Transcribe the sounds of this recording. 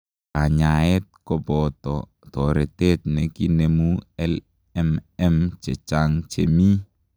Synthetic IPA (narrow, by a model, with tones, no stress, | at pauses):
a˨ɲa˨ɛ˦t̚kɔ˦bɔ˨tɔ | t̪ɔ˨ɾɛ˨te˦t̚nɛ˨ki˦nemu˦ɛl | ɛmɛ˦mt͡ʃɛ˨t͡ʃaŋt͡ʃḛ˨mi˦